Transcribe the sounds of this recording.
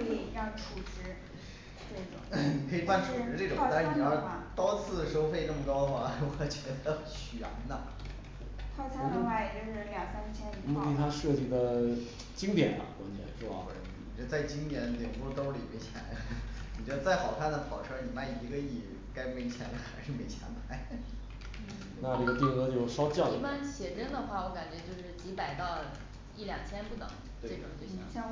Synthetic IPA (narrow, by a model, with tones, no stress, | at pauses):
i˨˩˧ɑ˥˩ŋʈ͡ʂʰu˨˩ʈ͡ʂɻ̩˧˥ | ʈ͡ʂe˥˩˨ni˨˩kʰɤ˧˥i˨˩pa˥˩nʈ͡ʂʰu˨˩ʈ͡ʂɻ̩˧˥ʈ͡ʂɤ˥˩ʈ͡ʂʊ˨ŋt̪a˥˧ɻni˨˩ɑ˥˩t̪ɔ˥t͡sʰɹ̩˥˩ʂo˥ʊfe˥˧ɪʈ͡ʂɤ˥˩mə˩kɑ˥ʊxa˥˩wɔ˨˩t͡ɕɥɛ˧˥d̪ə˧ | ɕy˨˩a̰˧˥nnə˧ | t̪we˥˩t̪ʰa˥ŋt͡sʰa˥˧˥wa˥˩ɪ˩t͡ɕo˥˧ʂ̩˥˩ljɑ˨˩ŋsa˥n˧t͡ɕʰjɛ˥ni˧˩˧mu˧i˥˧˩t̪ʰa˥ʂɤ˥˧t͡ɕi˥˩d̪ə˦ | t͡ɕi˥ŋt̪jɛ̰˨˩nlɐ̰˨˩kwa̰˥nt͡ɕʰjɛ̰˥˧˩nʂɔ˥˩a̰˧˩˧i˨˩ɛ˧˥ə˧t͡sa˥˩ɪt͡ɕi˥ŋt̪jɛ˨˧˩n˧t̪jɛ˨˩npu˥˩˥t̪o˥ʊli˨˩mjɛ˥˩t͡ɕʰjɛ˨˧˩la̰˧˥ni˨˩t͡ɕɥɛ˧˥d̪ə˧t͡sa˥˩ɪxɑ˨˩ʊkʰa˥˩nd̪ə˧˩pʰɑ˨˩ʊʈ͡ʂ̩ʰ˥˧˥ni˨˩ma˥˩ɪi˧˥ɡə˧i˥˩ | ka˥ɪme˧˥ɪt͡ɕʰjɛ˧˥nd̪ə˧xa˧˥ɪʂɻ̩˥˩me˧˩ɪt͡ɕʰjɛ̰˧˥np̪ʰa˥˩ɪ | na˥˧ʈ͡ʂɤ˥˩ɡə˧t̪i˥˩kɤ˥t͡ɕjo˥˧ʊʂɑ˥ʊt͡ɕjɑ˥˩ʊi˥˧pa˥nɕjɛ˨˩ʈ͡ʂə˥nd̪ə˨xwa˥˩wɔ˧˥ka˨˩nt͡ɕɥɛ˧˥t͡ɕjo˥˧ʊʂɻ̩˥˩t͡ɕi˧˥pa˨˩ɪt̪ɑ˥˧ʊ | i˥˩ljɑ˨˩ŋt͡ɕʰjɛ˥npu˥˩t̪ə̰˨˩˦ŋ | t̪we˥e˥˩ɡə̰˩˥˩